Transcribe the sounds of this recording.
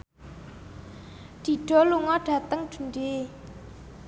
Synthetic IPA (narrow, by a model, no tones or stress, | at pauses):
d̪̥i̤ɖ̥ɔ̤luŋɔɖ̥ä̤t̪əŋd͡ʒ̥ṳnɖe